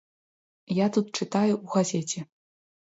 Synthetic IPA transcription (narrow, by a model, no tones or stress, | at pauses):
jat̪ut̪̚t͡ʂɨt̪ajuuɣazʲɛt͡sʲɛ